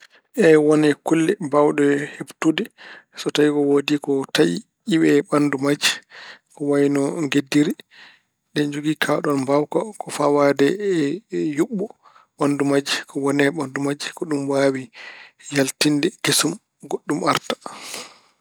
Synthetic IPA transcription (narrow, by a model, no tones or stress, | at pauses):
ʔɛwɔnɛkulːɛbawɗɔhebtudɛsɔtajikɔwodikɔtaji | iwɛɓandumad͡ʒikɔwajnɔŋɡedːiɾi | ɗɛɲd͡ʒoɡikʰaɗɔnbawkakɔfawadɛ | juɓːɔ | ɓandumad͡ʒikʰɔwɔnɛɓandumad͡ʒikɔɗumwawijaltindɛɡesum | ɡoɗːumʔaɾtḁ